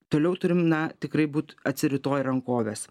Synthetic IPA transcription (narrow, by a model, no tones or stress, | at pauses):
t̪oːlʲɛʊt̪ʊɾʲɪmnɐt̪ʲɪkɾɐɪbuːt̪ɐt̪ʲsʲɪɾʲɪt̪oːjɾɐŋkoːʋʲeːs